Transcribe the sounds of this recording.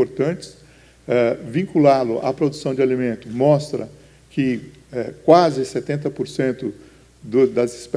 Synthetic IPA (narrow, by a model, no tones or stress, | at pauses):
oɾt̪ɐ̃nt͡ʃɪ̥s | ɛvĩkulalʊ̰ʔa̰pɾod̪usɐ̃w̃d͡ʒɪalimẽnt̪ʊmɔst̪ɾɐ̰ | kɪ | ɛkwazɪset̪ẽnt̪ɐpoɾsẽnt̪ʊ | d̪ʊd̪ɐzisp